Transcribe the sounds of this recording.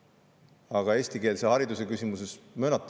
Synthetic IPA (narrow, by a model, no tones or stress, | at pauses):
ɑɡɑe̞ːsʲt̪ike̞ːlsehɑɾid̪usekysimuse̞smøːnɑt̪ˑː